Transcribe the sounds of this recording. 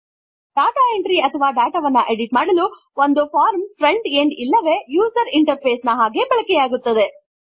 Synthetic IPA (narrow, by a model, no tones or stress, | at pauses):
ɖaːʈaːeɳʈɾiɐt̪ʰɐʋaːɖaːʈaʋɐnːɐʔeɽiʈmaːɽɐlu | ond̪upʰaːɾmfɾeɳɖeɳɖilːɐʋe̞juːsɐɾiɳʈɐɾpʰeːsnɐɦaːɡe̞bɐɭɐkɛjaːɡut̪ːɐd̪e̞